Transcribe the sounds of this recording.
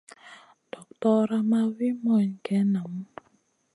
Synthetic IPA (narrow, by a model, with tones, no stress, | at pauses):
d̥ɔ˨k̚tɔ˦ɾa˦ma˦wi˦mɔ˦˨ɲkɛ˦na˨m˦